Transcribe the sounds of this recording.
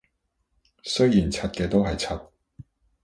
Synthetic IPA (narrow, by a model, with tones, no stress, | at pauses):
sɵ˥ɥjiː˨˩nt͡sʰɐ˧t̚kɛː˧t̪o˥wɦɐ˨jt͡sʰɐ˧t̚